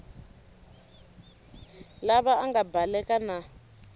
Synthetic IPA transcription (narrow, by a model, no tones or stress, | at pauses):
laβaaŋɡabʱalɛkana